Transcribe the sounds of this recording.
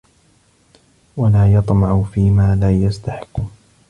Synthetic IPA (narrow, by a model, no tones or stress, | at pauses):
walaːjɑt̪ˤmɑʕʊfiːmaːlaːjast̪aħɪ̥kːʊ